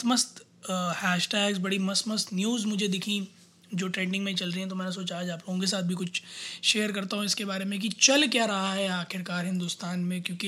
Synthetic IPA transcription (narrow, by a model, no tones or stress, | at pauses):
məst̪ | hɛːʃʈɛːɡzbɐɽimɐsməst̪njuːzmʊd͡ʒʱed̪ɪkʰĩ | d͡ʒoːʈɾẽːɳɖɪ̃ŋɡmẽt͡ʃɐlɾɐɦĩɦɛ̃t̪omɛːnes̬oːt͡ʃaɦɛd͡ʒaːploːɡõkes̬aːt̪̚ʰbʱik̬ʊt͡ʃʰʃeːəɾkɐɾt̪aɦũɪskebaːɾemẽk̬it͡ʃɐlkjaːɾɐɦaɦɛaːkʰɪɾkaːɾɦɪ̃nd̪ʊst̪aːnmẽkjõːki